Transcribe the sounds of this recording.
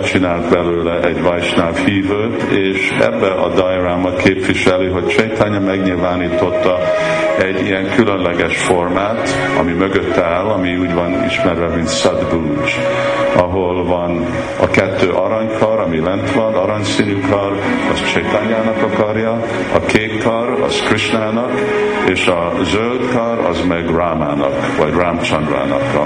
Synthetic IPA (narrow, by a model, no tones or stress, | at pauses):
t͡ʃinaːlt̪bɛløːlɛʔɛɟvajʃnaːfhiːvøːt̪ːeːʃ | ɛ̰bːɛʔɒ̰d̪ɑjraːmɒkʰeːpʋiʃɛliɦo̞ct͡ʃɛjt̪aːɲɒmɛɡɲiːlvaːniːt̪o̞t̪ːɒ | ɛɟːijɛŋkʰylønlɛɡɛʃformaːt̪ | ɒ̰mimøɡøt̪ːaːlɒmiuːɟvɒnḭʃmɛɾɛmint̪sɛd̪bu | t͡ʃ | ɒɦolvɒn | ɒkɛt̪ːøːʔɒɾɒɲkʰɒɾɒmilɛnt̪lɒnd̪ɒɾɒɲsinykʰɒr | ɒst͡ʃɛt̪aɲaːnɒkɒkɒrjɒ | ɒkʰeːt̪kɒrɒ̰z̥kriʃnaːnɒk | eːʃɒ | zøld̪kɒɾɒ̰zmɛɡraːmaːnɒ̰kvɒɟraːmt͡ʃɒnd̪ra̰ːnɒ̰kː